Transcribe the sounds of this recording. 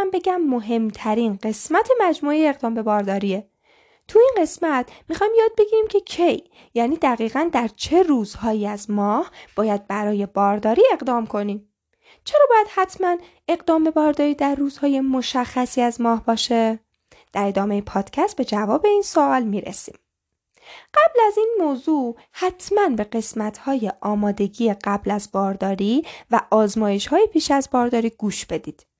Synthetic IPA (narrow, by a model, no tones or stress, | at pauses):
mbe̞ɟæmːo̞ɦe̞mt̪ʰæɾinɢe̞smæt̪ʰe̞mæd͡ʒmuːejeːɣd̪ɒːmbe̞bɒːɾd̪ɒːɾiːe̞ | t̪ʰuinɢe̞smæt̪ʰmixɒːjimjɒːd̪̚be̞ɟʲiːɾiːmcʰe̞cʰe̞jː | æniːd̪æɣiːɣænd̪æɾt͡ʃʰe̞ruːzhɒːiːæzmɒːhb̥ɒːjæd̪̚bæɾɒːje̞bɒːɾd̪ɒːɾiːe̞ɣd̪ɒːmkʰo̞niːm | t͡ʃʰe̞ɾɒːbɒːjæd̪̥hæt̪ʰmæn | e̞ɣd̪ɒːmbe̞bɒːɾd̪ɒːɾiːd̪æɾːuːz̥hɒːje̞mo̞ʃæxːæsiːæzmɒːhbɒːʃe | d̪̥æɾe̞d̪ɒːme̞jepʰɒːd̪̥cʰæst̪̚be̞d͡ʒævɒːbe̞iːnsoʔɒlmiːɾḛsḭːm | ɢ̥æblæziːnmoːzuː | hæt̪ʰmænbe̞ɢe̞smæt̪ʰhɒːjeʔɒːmɒːd̪e̞ɟiːjeɢæblæzbɒːɾd̪ɒːɾiːvæʔɒːzmɒːje̞ʃhɒːjepʰiːʃæzbɒːɾd̪ɒːɾiːɡuːʃb̥e̞d̪iːd̪̥